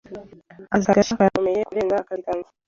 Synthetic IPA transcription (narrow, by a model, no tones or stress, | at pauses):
azaɾaʃakajakome̞jekuɾeːŋɡakaikaŋɡ